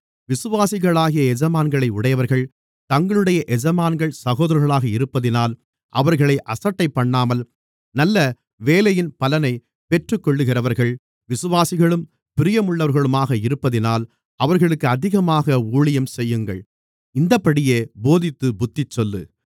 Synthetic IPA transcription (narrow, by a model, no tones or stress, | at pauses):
ʋɪsɯʋaːsɪɣɐɭaːɣɪjɐɛd͡ʒɐmaːnɡɐɭɐɪʊɽɐjɐʋɐɾɣɐɭ | t̪ɐŋɡɐɭɯɽɐjɐʔɛd͡ʒɐmaːnɡɐɭsɐɣoːðɐɾɐɾɣɐɭaːɣɐɪɾɯpːɐðɪnaːl | ʔɐʋɐɾɣɐɭɐɪʔɐsɐʈːɐɪpːɐɳːaːmɐl | nɐlːɐ | ʋeːlɐjɪnpɐlɐnɐɪ | pɛʈrɯkːɔɭːɯɣɪrɐʋɐɾɣɐɭ | ʋɪsɯʋaːsɪɣɐɭɯm | pɪɾɪjɐmʊɭːɐʋɐɾɣɐɭɯmaːɣɐɪɾɯpːɐðɪnaːl | ɐʋɐɾɣɐɭɯkːɯɐðɪɣɐmaːɣɐuːɭɪjɐmsɛjːɯŋɡɐɭ | ɪnd̪ɐpːɐɽɪjeːboːðɪt̪ːɯbʊt̪ːɪt͡ʃːɔlːɯ̰